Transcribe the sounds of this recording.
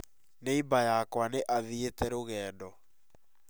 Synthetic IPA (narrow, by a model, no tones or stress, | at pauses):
neibajakwaneʔaðietɛɾoɣɛːdɔ